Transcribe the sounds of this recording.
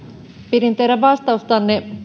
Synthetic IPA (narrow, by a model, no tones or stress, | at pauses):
piɾint̪eɾæʋɑst̪ɑust̪ɑnːe